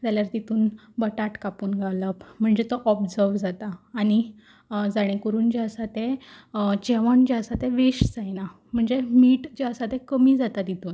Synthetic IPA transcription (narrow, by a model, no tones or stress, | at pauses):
t̪jaljaɾt̪it̪uːn | bəʈaʈkapuːnɡʱaləpm̤əɳd͡zet̪ɔʔɔbd͡zəɾʋd͡zat̪aːɽ̃i | d͡zaɽ̃ẽkəɾuːnd͡ʑeəsat̪ẽ | t͡ɕeʋand͡ʑiəsat̪ẽʋiɕd͡zajna | m̤əɳd͡zemiːʈd͡ʑeəsat̪ẽkəmiːd͡zat̪ad̪it̪uːn